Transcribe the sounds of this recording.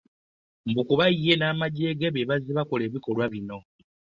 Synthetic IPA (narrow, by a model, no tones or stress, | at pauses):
mbukuβajiːenaːmaɟe̞ːɡeβeβaziβakole̞ːβiko̞lwaβino̞